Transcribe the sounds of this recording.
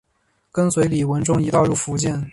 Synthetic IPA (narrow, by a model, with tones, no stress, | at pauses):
kə˥nswe˧˥ɪli˨˩wə˧˥nʈ͡ʂʊ˥ŋi˧˥t̪ɑ˥˧ʊɻu˥˩fu˧˥t͡ɕɛ˥˩n